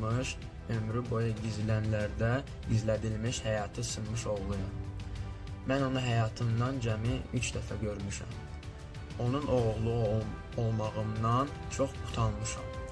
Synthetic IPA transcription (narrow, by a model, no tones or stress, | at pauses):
mɯʃ | ø̞mɾybo̞jɑɟizilænlæɾd̪æ | izlæd̪ilmiʃhæjɑːt̪ʰɯsɯnmɯʃo̞ʁlˠujɑm | mæno̞nuɦæjɑːt̪ʰɯnd̪ɑnd͡ʒæmiyt͡ʃd̪æfæɟø̞ɾmyʃæ̰m | o̞nunʔo̞ʁuɣlˠu | olˠmɑɣɯnd̪ɑn | t͡ʃʰo̞χpʰu̥t̪ʰɑnmɯʃɑ̰m